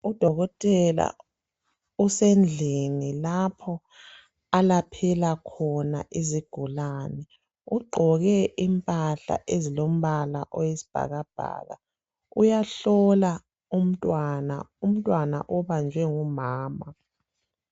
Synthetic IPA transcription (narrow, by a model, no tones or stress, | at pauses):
ud̥ʱɔɣɔtʼɛla̰ | usɛnd͡ɮʱenilapʰɔ | alapʰɛlakʰɔnaʔiziɡ̥ʱulaːnɛ | uɡ͡ǃʱɔɣɛʔimpʼaɬa̰ʔezilom̩βala̰ʔɔjesi̥b̥ʱa̰ɣab̥ʱa̰ːɣa̰ | ujaɬɔla | um̩tʼwana̰um̩tʼwana̰ʔɔβand͡ʒʱɛŋumaːma